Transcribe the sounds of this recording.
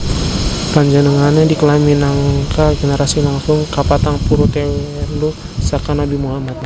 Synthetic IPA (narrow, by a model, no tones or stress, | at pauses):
paɲd͡ʒanəŋanadikəlaminaŋkaɡenəɾasilaŋsʊŋkapat̪aŋpuɾut̪ɛw | lu | sakanabimuɦamat̪̚na